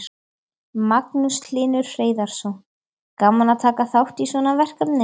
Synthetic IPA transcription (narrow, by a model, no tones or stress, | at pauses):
maknusʰlɪːnʏɾ̥fɾeːjðaɾ̥sɔ | kaːmanat̪ʰaːkaθawht̪isvɔnavɛr̥kat̪nɪ